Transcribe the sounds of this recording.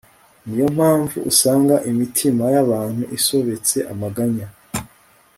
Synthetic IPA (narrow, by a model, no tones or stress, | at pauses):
nijo̞m̥haːɱvṵʔusaːŋɡaʔimitʰimajaβaːn̥huʔiso̞βe̞t͡se̞ʔamaɡaɲa